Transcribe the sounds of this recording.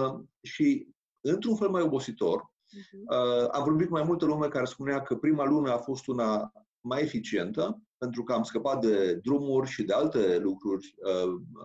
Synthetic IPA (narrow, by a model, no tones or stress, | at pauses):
ʃi | ɨnt̪ɾunfe̞lmajo̞bo̞sit̪o̞r | a̰mvo̞rbitkmajmult̪əlume̞kaɾe̞spuneakəpɾimalumeafo̞st̪una | maje̞fit͡ʃie̞nt̪əpe̞nt̪ɾukəamskəpat̪̚d̪e̞d̪ɾumurʲʃid̪e̞alt̪e̞lukɾurʲə